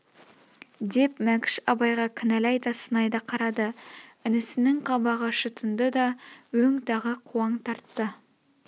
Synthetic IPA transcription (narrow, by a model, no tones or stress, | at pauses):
d̪e̞pmækʲɪ̥ʃɑbɑjʁɑkʲʰɪnælɑjd̪ɑsənɑjd̪ɑqʰɑɾɑd̪əɪnɪsɪnɪŋqʰɑbɑʁəʃət̪ʰənd̪əd̪ɑwɵŋt̪ʰɑʁəqʰuɑɴt̪ʰɑɾt̪ːə